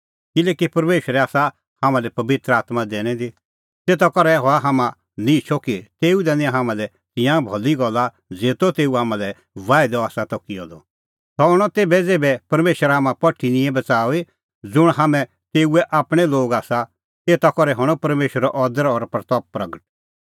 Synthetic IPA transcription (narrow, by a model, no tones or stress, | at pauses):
kɪlɛːkipɐɾmeːʃəɾɛaːsa | hamãlɛpɐbɪt̪ɾəaːt̪mad̪eːɽ̃ɛ̃d̪i | t̪eːt̪akɔɾɛɦɔaɦaːmã | nĩt͡ʃʰɔkit̪eːud̪ɛnɪãɦaːmãlɛ | t̪ɪ̃jãbʱɔliɡɔlːa | d͡zeːt̪ot̪eːuɦaːmãlɛ | ʋaːɪd̪ɔaːsat̪ɔkiɔd̪ɔ | t̪ɔɦɔɽ̃ɔt̪eːbɛd͡zeːbɛpɐɾmeːʃəɾaːmãpɐʈʰːinɪ̃ɛ̃bɐt͡saːi | d͡zʊɽ̃ɦaːmɛ̃ | t̪eːuɛʔaːpɽ̃ɛloːɡaːsa | t̪eːt̪akɔɾɛɦɔɽ̃ɔpɐɾmeːʃɾɔʔɔd̪əɾɔɾpɾt̪ɔːp̚pɾɐɡəʈ̚